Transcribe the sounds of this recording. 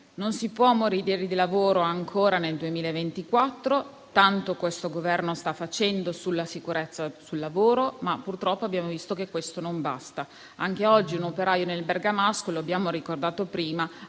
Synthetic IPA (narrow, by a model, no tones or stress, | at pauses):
nonsipwɔmoɾid̪eɾid̪ilavoːɾoaŋkʰoːɾaneld̪uemiːlaevent̪ikwat̪ːɾo | t̪ant̪okwest̪oɡovɛrnost̪afːat͡ʃɛnd̪osulːasikuɾet̪sːasulːavoːɾomapːurt̪ɾɔpːoabːjaːmovist̪okekːwest̪onomba̰st̪a | aŋk̟eɔd͡ʒːiunopeɾaːjonelberɡamaskoloabjaːmoɾikord̪aːt̪opɾiːma